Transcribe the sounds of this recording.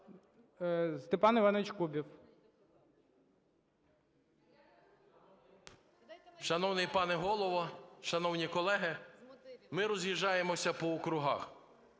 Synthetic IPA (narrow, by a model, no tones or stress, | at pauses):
st̪epɑnɪʋɑnʋɪt͡ʃkubʲiw | ʃɐnɔwnɪjpɑnɛɦɔlˠɔʋɔʃɐnɔwnʲikɔlˠɛɦɪ | mɪɾɔzʲjiʒɑjemɔsʲɐpɔɔkɾʊɦɑ̰x